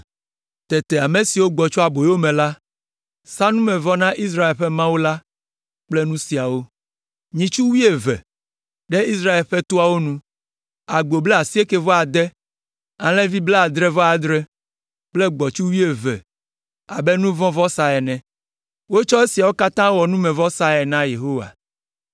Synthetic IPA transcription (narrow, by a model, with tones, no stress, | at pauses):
t̪ɛ˨t̪ɛ˨a˨me˨si˨wo˦ɡ͡bɔ˨t͡ʃɔ˦a˨bo˨jwo˦mɛ̃˨la˦ | sa˦nũ˦mɛ̃˨vɔ˦nã˦ʔi˦s̬ɾa˦e˨lɸɛ˦mã˦wo˦la˦ | k͡plɛ˦nũ˦si˨a˨wo˦ | ɲĩ˨t͡ʃu˦wi˦e˨vɛ̰˨ | ɖɛ˦i˦s̬ɾa˦e˨lɸɛ˦t̪o˦a˨wo˦nũ˦ | a˨ɡ͡bo˨blɛ˦a˨si˦e˦ke˦vɔ˦a˨d̪ɛ˦ | ã˨lɛ̃˦vi˦blɛ˦a˨d̪ɾɛ˦vɔ˦a˨d̪ɾɛ˦ | k͡plɛ˦ɡ͡bɔ˨t͡ʃu˦wi˦e˨vɛ̰˨ | a˨bɛ˦nũ˦vɔ̃˦vɔ˦sa˨ɛ˨nɛ̃˨ | wo˦t͡ʃɔ˦e˦si˨a˨wo˦ka˦t̪ã˦wɔ˨nũ˦mɛ̃˨vɔ˦sa˦ɛ˨nã˦je˨ɦo˦wa̰˨